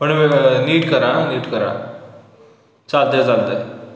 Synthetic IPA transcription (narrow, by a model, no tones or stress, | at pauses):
pəɳniːʈkəɾãniːʈkəɾã̰ | t͡sald̪ed͡zalt̪ə